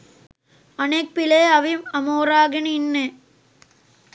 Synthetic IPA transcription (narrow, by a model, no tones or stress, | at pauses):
ɐneːk̚pɪleːɐʋɪmɐmoːɾaːɣɪninːe